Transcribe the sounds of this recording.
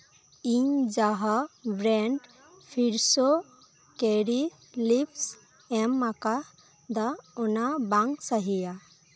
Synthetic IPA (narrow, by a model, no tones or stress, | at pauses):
iɲd͡ʒaɦabɾɛɳɖ | pʰiɾso | keɾi | lips | emːaka | d̪aɔnabaŋɡsaɦija